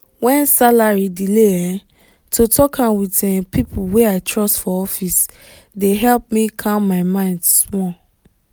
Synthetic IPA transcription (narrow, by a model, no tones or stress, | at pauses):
wɛ̃nsalaɹidilea | tʰotɔkãnwitɛpipuweaɪtɹɔstfɔɔfis | deɦɛlp̚mikʰãmmaɪmãɪ̃ndsmɔ